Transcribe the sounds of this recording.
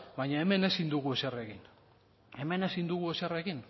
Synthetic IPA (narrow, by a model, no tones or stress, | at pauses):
bajɲaeme̞ne̞sind̪uɣue̞sere̞kin | e̞me̞ne̞sind̪uɣue̞sere̞kin